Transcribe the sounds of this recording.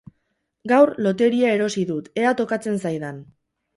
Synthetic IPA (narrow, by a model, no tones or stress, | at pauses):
ɡawɾlo̞t̪e̞ɾiae̞ɾo̞siðut̪e̞at̪o̞kat͡se̞nsajðan